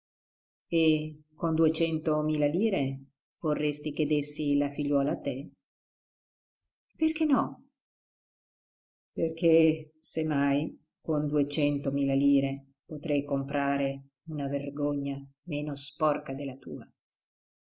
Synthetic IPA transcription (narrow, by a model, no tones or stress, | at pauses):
ekond̪uet͡ʃɛnt̪omiːlaliːɾe | v̥orːest̪ik̟ed̪esːilafiʎːɔːlat̪e | perk̟enɔ | perk̟e | semaj | kond̪uet͡ʃɛnt̪omiːlaliːɾe | pot̪ɾɛjkompɾaːɾe | unaverɡoɲːameːnospɔrkad̪elat̪ṵːa